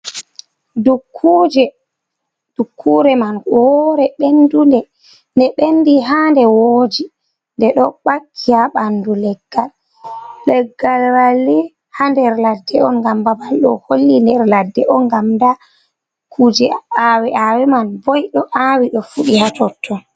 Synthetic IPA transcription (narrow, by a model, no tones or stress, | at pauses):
dukʰːud͡ʒɛ | d̥ukʰːuɾɛmanwɔɾɛɓendundɛ | ndɛɓendiɦandɛwoːd͡ʒi | ndɛɗɔɓakʰːijaɓandulɛɡːalː | ɛɡːalwalːɛ | handɛɾladːɛɔnɡambabalɗɔholːindɛɾladːɛʔɔnɡamda | dukʰːud͡ʒɛawɛawɛmanbɔjɗɔʔawiɗɔfuɗihatɔtʰːɔ